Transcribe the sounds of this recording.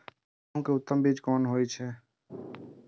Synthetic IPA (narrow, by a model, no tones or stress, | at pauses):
ũkeʊt̪ːəmbiːd͡ʒkɔːnɦoːit͡ʃʰɛː